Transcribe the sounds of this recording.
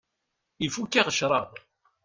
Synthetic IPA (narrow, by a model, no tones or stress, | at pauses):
ifukːiʁəʃɾˤɑð